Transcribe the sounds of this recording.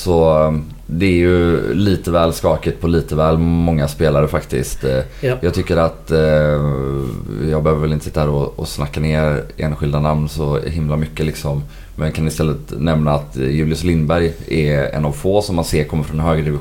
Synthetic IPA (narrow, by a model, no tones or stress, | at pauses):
sɔ | d̪ɛæɾjɵliːt̪əvɛːlskɑːkət̪̚pʰɔliːt̪əvɛːlmɔŋːaspeːlaɾəfakt̪ɪ̰st̪jɑːɡt̪ʰʏkːəɾat̪ | jɑːɡbɛhøːvəvɛlɪnəsɪ̥t̪ːahæːɾɔɔ̰snakːaneːɾḛːnɧɪld̪anamnsɔɦɪmlamʏkːəlɪksɔmː | ɛnkʰanɪst̪ɛlːət̪nɛmnaat̪jʉ̟ːlɪʊslɪnbæɾjɛɾɛ̰navfoːsɔmːanseːɾkʰɔmːəɾfɾɔnɛnhɦøːɡɾəd̪ɪvɪ